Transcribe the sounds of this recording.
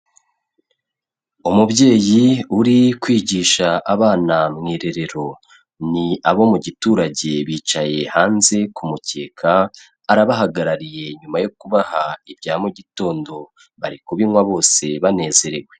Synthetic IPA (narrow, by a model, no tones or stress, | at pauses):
umubɟe̞ːjiuɾikwiːɟiːʃaʔaβaːnamŋiːɾe̞ɾe̞ɾo̞ | niaβo̞muɟituːɾaɟe̞βiːt͡ʃaje̞haːnze̞kumuce̞ːkʰaː | ɾaβaɦaɡaɾaɾije̞ɲumajokuβahaibɟaːmuɟito̞ːndo̞ | βaɾikuβinŋwaβo̞ːse̞βane̞ːze̞ɾe̞ɡwe̞